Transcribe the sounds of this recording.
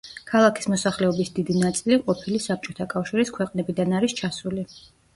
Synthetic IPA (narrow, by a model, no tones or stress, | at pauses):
kʰalˠakʰi̥smɔsaχlɛɔbisd̪id̪inat̪sʼiliqʼɔpʰilisap̚t͡ʃʼɔt̪ʰakʼafʃiɾiskʰwɛqʼnɛbid̪anaɾist͡ʃʰasuli